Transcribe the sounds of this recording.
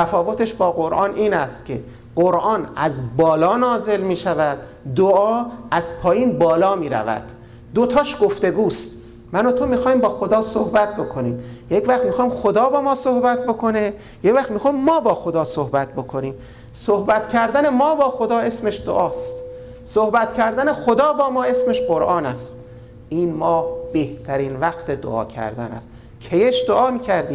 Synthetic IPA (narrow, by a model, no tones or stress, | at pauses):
t̪ʰæfɒːvot̪e̞ʃbɒːɣoɾʔɒːnʔiːnæst̪cʲʰe̞ | ɢ̥oɾʔɒːnæzbɒːlɒːnɒːze̞lmiːʃævæd̪ | d̪oɒːæzpʰɒːjiːnbɒːlɒːmiːɾæ̰væ̰d̪̥ː | ot̪ʰɒːʃɡoft̪e̞ɡuːst̪ | mænot̪ʰo̞miːxɒːhiːmbɒːxo̞d̪ɒːsohbæt̪̚bo̞kʰo̞niːmjecvæxt̪mixɒːimxod̪ɒːbɒːmɒːsohbæt̪̚bo̞kʰone | jecvæxt̪mixɒːimːɒːbɒːxod̪ɒːsohbæt̪̚bo̞kʰo̞niːm | sohbæt̪cʰæɾd̪æne̞mɒːbɒːxod̪ɒːe̞smeʃd̪oʔɒːst̪ | sohbæt̪cʰæɾd̪æne̞xod̪ɒːbɒːmɒːe̞sme̞ʃɢoɾʔɒːnæst̪ | ʔiːnmɒːbeht̪ʰæɾiːnvæqt̪ʰed̪o̰ʔɒ̰ːcʰæ̰ɾd̪æ̰næ̰st̪ | kʰejeʃd̪oʔɒːmiːcʰæɾd̪iːm